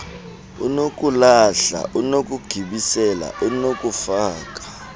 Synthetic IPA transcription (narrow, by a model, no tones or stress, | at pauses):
ṵnokʼulaɬa̰ʔunok̬ʼuɡ̥ʱiɓisɛla̰ʔunokʼufaːkʼḁ